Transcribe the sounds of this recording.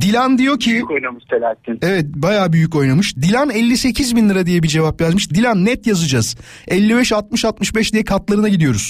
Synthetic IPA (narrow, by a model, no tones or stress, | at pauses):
d̪ilʲænd̪ijo̞cʰikojnamɯʃt̪ʰelʲæɾsinevɛt̪̚bajaːbyjyco̞jnamɯʃd̪ilʲænɛlʲːise̞cʰizbinlːˠɯɾad̪ijɛbid͡ʒe̞vapjazmɯʃd̪ilʲænːɛt̪jazɯd͡ʒaz̥ | ɛlʲːibɛʃat̪mɯʃat̪mɯʃbɛʃd̪ijɛkʰat̪lˠaɾɯnaɟid̪ijo̞ɾuz̥